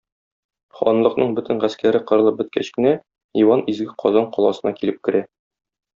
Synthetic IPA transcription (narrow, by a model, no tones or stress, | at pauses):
χɒ̰nlˠɤ̆qnɤɴbɵt̪ɘnʁæskæɾɘqɤ̆ɾɤ̆lˠɤp̚bɘ̆t̪̚kæɕkɘ̆næ | iwɑnizɡɘqʰɒzɑɴqɒlˠɑsɤ̆nɑkilɘp̚kɘ̆ɾæ